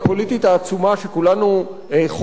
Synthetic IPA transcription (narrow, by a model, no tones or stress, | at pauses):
po̞lit̪it̪aːt͡sumaʃe̞kulanu | eχ